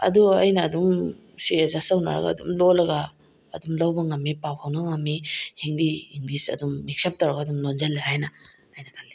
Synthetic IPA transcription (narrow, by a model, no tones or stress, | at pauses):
ɐ̰duɐjnɐːdum | siezasɐwna̰ɾɐ̰ɡɐ̰ːdṵmlolɐɡaː | dumlɐwbɐŋɐmːipawhawnɐŋɐmːihiŋdiiŋdisɐ̰dumːik̚sɐp̚tɐwɾɐɡaːdumlond͡ʒɐlːihajnɐː | jnɐtʰalːi